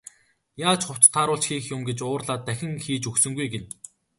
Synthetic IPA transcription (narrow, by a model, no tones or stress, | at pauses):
jaːt͡ɕχʊw̥t͡st̪ʰːaːɾʊːɮt͡ɕxiːxjʊmɡet͡ɕʊːrɮaːt̪ːæxʲɪ̆ŋxiːt͡ɕuksɵ̆ŋɡujɡen